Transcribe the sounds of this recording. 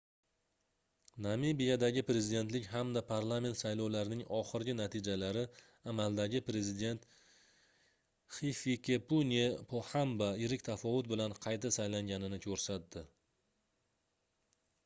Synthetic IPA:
namibijad̪aɡʲɪpɾe̞zɪd̪ent̪lɪkʲɦamd̪apʰaɾlˠame̞nt̪sajlowlaɾɪnɪŋɒχɨɾɡʲɪnat̪ʰid͡ʒalaɾɪ | amalˠd̪aɡʲɪpɾe̞zɪd̪e̞nt̪ | χifikʲepunepʰohambajɪɾɪkʲt̪ʰafɒvʊt̪̚bɪlanqʰɑjt̪asajlaŋɡʲanɪnɪkʲʰɵɾsat̪̚d̪ɪ

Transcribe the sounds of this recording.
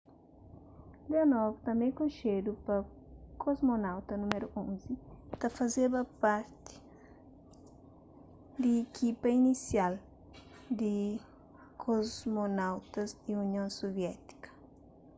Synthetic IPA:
leanɔvt̪ɐ̃mẽj̃kõnʃed̪upɐ | kʰozmonawt̪ɐnumeɾuʔõnzit̪ɐfɐzebɐpaɾt̪ɪ̥ | d̪iːkʰipɐinisjal | d̪ɪ | kʰozzmonawt̪ɐziunjõsovjɛt̪i̥kɐ̥

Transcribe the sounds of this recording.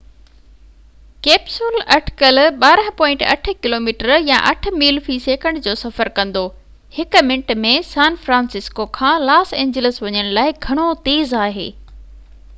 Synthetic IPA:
keːpsulɐʈʰɪ̥kəlɓaːɾə̃ɦpɔ̃ːɪ̃ɳʈɐ̰ʈ̆ʰkɪloːmiːʈəɾjã̰ʔɐʈ̆ʰmiːlfiseːkə̃ɳɖd͡ʑoːsɐfəɾkɐ̃nd̪oː | hɪkʊ̆mɪ̃ɳʈmẽsãːnfɾãːnsɪskokʰãːlaːsẽːɲd͡ʑələsʋɐɲəɽ̃laːɪɡʱɐɽ̃ot̪eːzaːɦḛː

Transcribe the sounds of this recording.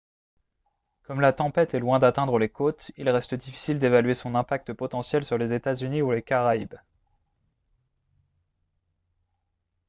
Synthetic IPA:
kɔmlat̪ɑ̃pɛt̪ɛlwɛ̃d̪at̪ɛ̃d̪ʁəlekot̪ilʁɛst̪əd̪ifi̥sild̪evalɥesɔ̃nɛ̃pak̚t̪əpɔt̪ɑ̃sjɛlsyʁlezet̪azyniulekaʁaib

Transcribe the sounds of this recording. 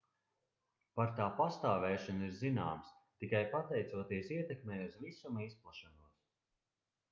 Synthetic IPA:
paɾt̪aːpast̪aːvɛːʃɔniɾzina̰ːmst̪ikajpat̪ɛjt̪suɔt̪iɛsiɛt̪ɛkmɛːuzvisumisplˠaʃɔnuɔs

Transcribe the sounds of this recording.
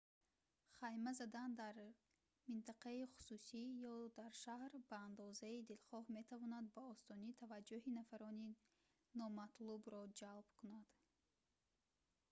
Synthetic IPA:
χajmazad̪and̪aɾ | mint̪ʰaqaiχu̥susijɔd̪aɾʃahɾbaːnd̪ɔzaid̪ilχɔhme̞t̪ʰavɔnad̪̚baɔst̪ɔnit̪ʰavad͡ʒːuɦinafaɾɔni | nɔmat̪lubɾɔd͡ʒalb̥kʰunad̪̥

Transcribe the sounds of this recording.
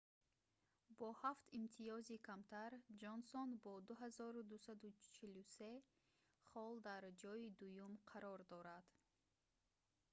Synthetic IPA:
bɔhaft̪imt̪ʰiɔzikʰamt̪ʰaɾd͡ʒɔnsɔnbɔd̪uɦazɔɾud̪usad̪ut͡ʃʰiluse̞ | χɔld̪aɾd͡ʒɔid̪ujumqʰaɾɔɾd̪ɔɾad̪̥

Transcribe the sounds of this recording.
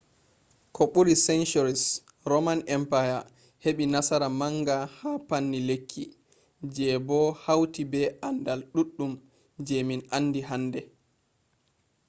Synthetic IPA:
kʰɔɓuɾisɛnt͡ʃuɾis | ɾɔmanʔɛmpaja | heɓinasaɾamaŋɡahapanːilekʰːḭ | d͡ʒɛbɔhawtibɛʔandalɗuɗːum | d͡ʒɛminʔanːdiɦandɛ

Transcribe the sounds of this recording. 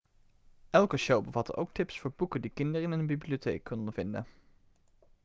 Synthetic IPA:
ʔɛlˠkəʃowbəvɑtə̰ʔowk̚tɪpsfʊːɹbukədikɪndərɪnənbibliotḛːkːɔndəvɪndə̰

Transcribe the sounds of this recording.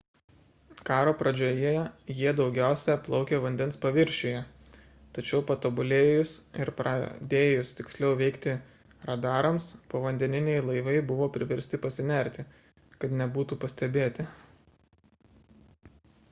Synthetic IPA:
kɑːɾoːpɾɐd͡ʒʲoːjeɛjiɛd̪ɒʊɡʲæˑʊsʲɛplˠɒʊkʲeːʋɐnʲd̪ʲɛnspɐʋʲɪɾʲʃʲejɛ | t̪ɐt͡ʃʲɛʊpɐt̪oːbʊlʲeːjʊsɪɾpɾɑ̰d̪ʲeːjʊst̪ʲɪksʲlʲɛʊʋʲɛɪkt̪ʲɪ | ɾɐd̪ɑːɾɐmspoʋɐnʲd̪ʲɛnʲɪnʲejlˠɐɪʋɐɪbʊʋoːpʲɾʲɪʋʲɛɾʲsʲt̪ʲɪpɐsʲɪnʲɛɾʲt̪ʲɪ | kɐt̪nʲɛbuːt̪uːpɐsʲt̪ʲɛbʲeːt̪ʲɪ

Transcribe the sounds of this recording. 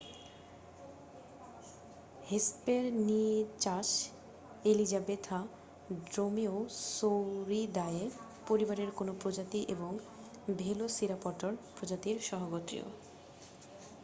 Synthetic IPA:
hespeɾniet͡ɕaʃ | elid͡ʑabet̪ʰa | ɖɾomiosoɾid̪aee | poɾibaɾeɾkonopɾod͡ʑat̪iʔeboŋ | bʱelosiɾapɔʈoɾpɾod͡ʑat̪iɾʃɔɦoɡot̪ɾḭo̰

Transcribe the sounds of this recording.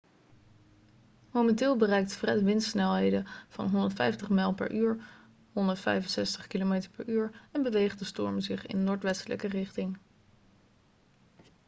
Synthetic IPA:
momɛntɪːlˠbərɛjk̚tfrɛtʋɪnssnɛlˠɦejdəv̥ɑ̰nɦɔndəɹtfɛjftəχmɛlˠpɛ̰ɹʔyːɹ | ɦɔndəɹtfɛ̰jvənsɛstəχkilomejtəɹpɛɹyːɹɛnbəʋejχdəstɔɹmzɪχɪ̰nnːʊːɹtʋɛstələ̰kərɪχtɪŋ

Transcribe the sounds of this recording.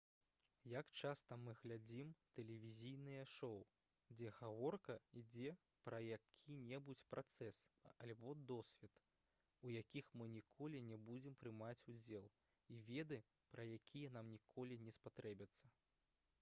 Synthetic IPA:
jakt͡ʂast̪ɐmɨɣlʲad͡zʲimt̪ɛlʲɛvʲizʲijnɨjɐʂɔw | d͡zʲɛɣavɔrkɐid͡zʲɛ | pɾɐjakʲʰinʲɛbut͡sʲpɾʔat̪sɛsɐlʲbɔd̪ɔsʲvʲɛt̪ | ujakʲixmɨnʲikʰɔlʲinʲɛbud͡zʲɛmpɾɨmat͡sʲud͡zʲɛlˠ | ivʲɛd̪ɨ | pɾɐjakʲʰijɐnamnʲikʰɔlʲinʲɛspat̪ɾɛbʲɐt̪sːɐ

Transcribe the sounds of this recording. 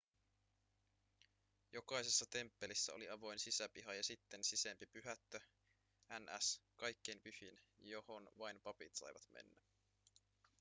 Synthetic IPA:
jo̞kɑjse̞sːɑt̪e̞mpːe̞lisːæ̰o̰liɑʋo̞jnsisæpiɦɑjɑsit̪ːe̞nsisempipyɦæt̪ːø | ænæ̰skɑjkːe̞jmpyhinjo̞ho̞nʋɑjnpɑpit̪sɑ̰jʋɑ̰t̪mḛnːæ

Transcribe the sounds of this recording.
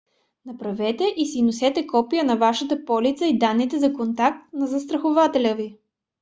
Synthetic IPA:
nɐpɾɐvɛt̪ɛʔisinosɛt̪ɛkɔpijənɐvaʃət̪əpɔlit̪səid̪anːit̪ɛzɐkont̪ak̚t̪nɐzɐst̪ɾɐxovat̪ɛlʲəvi

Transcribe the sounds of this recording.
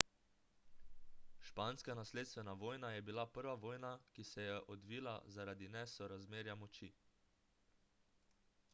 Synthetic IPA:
ʃpaːnskanasleːt̪st̪ʋɛnaʋoːjnajɛbilapəɾʋaʋoːjnakisɛjɛʔɔd̪ʋiːla̰zaɾad̪inɛsɔɾazmeːɾjamɔt͡ʃi

